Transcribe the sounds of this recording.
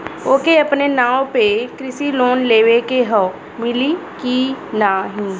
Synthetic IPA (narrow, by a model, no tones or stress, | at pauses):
oːkeɐpnenãːwpekɾɪsiloːnleːʋekeɦə | mɪlikinaːɦĩ